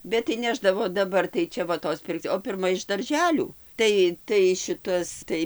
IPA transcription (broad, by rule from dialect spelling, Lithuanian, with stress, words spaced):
bʲɛt tɐɪ ˈnʲæːʒdɐʋoː dɐˈbɐr tɐɪ ˈt͡ʃʲɛ ʋɐ ˈtoːs ˈpʲɪrkt͡s oː pʲɪrˈmɐ ɪʃ dɐrʲˈʒʲæːlʲuː ˈtɐɪ tɐɪ ˈʃʲɪtɐs ˈtɐɪ